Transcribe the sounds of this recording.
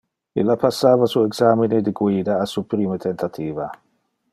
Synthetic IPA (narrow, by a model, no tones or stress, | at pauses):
ilapasːaːvasueɡsamined̪iɡwiːd̪aːsupɾiːmət̪ʰent̪at̪ʰiːva